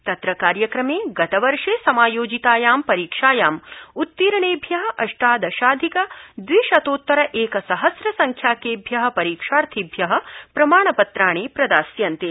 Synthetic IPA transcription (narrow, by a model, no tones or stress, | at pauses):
t̪ɐt̪ɾɐkaːɾjɐkɾɐmeːɡɐt̪ɐʋɐɾʂeːsɐmaːjoːd͡ʒit̪aːjaːmpɐɾiːkʂaːjaːmut̪ːiːɾɐɳeːbʱjɐɦɐ̆ʔɐʂʈaːd̪ɐʃaːd̪ʱikɐd̪ʋiːʃɐt̪oːt̪ːɐɾɐʔeːkɐsɐɦɐsɾɐsɐŋkʰjaːkeːbʱjɐɦɐ̆pɐɾiːkʂaːɾt̪ʰibʱjɐɦɐ̆pɾɐmaːɳɐpɐt̪ɾaːɳ̃eːpɾɐd̪aːsjɐnt̪eː